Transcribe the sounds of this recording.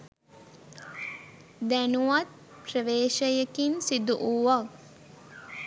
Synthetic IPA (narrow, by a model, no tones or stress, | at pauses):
d̪ænuʋat̪̚ | prəʋeːʃəjəkinsid̪uʔuʋa